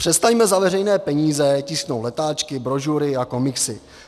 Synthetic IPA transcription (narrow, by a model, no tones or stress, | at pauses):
pr̝̥ɛst̪ajmɛzavɛrɛjnɛːpɛɲiːzɛcɪsknowtlɛt̪aːt͡ʃkɪbɾo̞ʒuɾɪako̞mɪksɪ